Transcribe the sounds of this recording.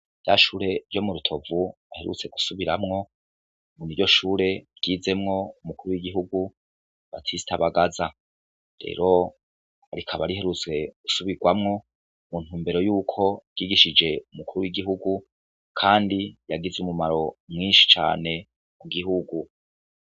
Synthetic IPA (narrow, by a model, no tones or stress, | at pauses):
ja̰ʃuːɾe̞ɾjomuɾutʰo̞vu | ahe̞ɾṵt͡se̞ɡu̥suβiɾamŋo̞ | muniɾɟo̞ʃuːɾe̞bɡ̥iːze̞mŋo̞umukuɾuwiɡiɦuɡu | βa̰tʰisi̥tʰaβaɡaza | ɾe̞̰ːɾo̞ | aɾikʰaβaɾihe̞ɾut͡swe̞ɡ̥u̥suβiɡwamŋo̞ | muːn̥huːmbe̞ɾo̞juːkʰo̞ɡ̥iːɡiʃid͡ʒe̞umukuɾuwiɡiɦuɡu | kʰaːndijaɡizumumaɾo̞mŋiːnʃi̥t͡ʃa̰ːne̞ | muɡiɦuɡu